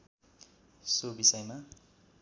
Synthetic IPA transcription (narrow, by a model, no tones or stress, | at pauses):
sobisʌjma